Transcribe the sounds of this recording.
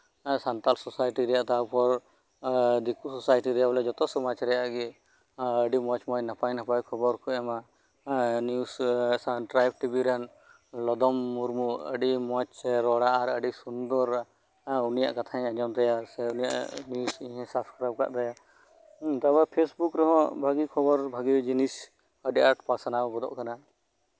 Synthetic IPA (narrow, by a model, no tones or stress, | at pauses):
sant̪alsɔsajʈiɾɛjaʔt̪apɔɾ | d̪ikʰusɔsajʈiɾɛjablɛd͡ʒɔt̪ɔsɔmat͡ʃɾɛjaʔɡi | əɖimɔt͡ʃmɔt͡ʃnapajnapajkʰɔbɔɾkʰuɛma | njusʈɾajb̚ʈibiɾɛn | lɔd̪ɔmːuɾmuə̰ɖimɔt͡ʃɾɔɽaʔaɾəɖisund̪ɔɾa | unija̰ʔkat̪ʰaɛ̃ad͡ʒɔmt̪ɛjasɛunija̰ʔnjusĩɦɛ̃sapʰskɾab̚ka̰ʔd̪aja | t̪abapʰesbukɾɔɦɔ̃bʱaɡikʰɔbɔɾbʱaɡid͡ʒinis | əɖiʔaʈpasanabɔd̪ɔ̰ʔkana